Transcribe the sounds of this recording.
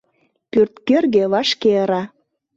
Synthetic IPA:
pyrt̪kørɣeβɑʃkeəɾɑ

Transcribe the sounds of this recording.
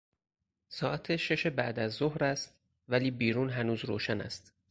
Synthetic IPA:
sɒːʔæt̪ʰeʃe̞ʃe̞bæʔd̪æzːohɾæst̪̚ | væliːbiːɾuːnɦænuːzɾoːʃænæ̰st̪

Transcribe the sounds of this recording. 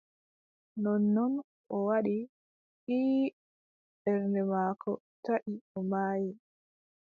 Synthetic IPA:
nɔnːɔn | ʔɔwaɗi | ʔiː | ɓɛɾnɛmaːkʰɔ | taʔiɔmaːji

